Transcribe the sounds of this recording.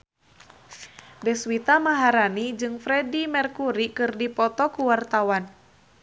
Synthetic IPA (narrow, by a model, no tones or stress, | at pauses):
dɛswit̪amaɦaɾanid͡ʒɨŋfɾɛdimɛrkuɾikɨrdipɔt̪ɔkuwart̪awan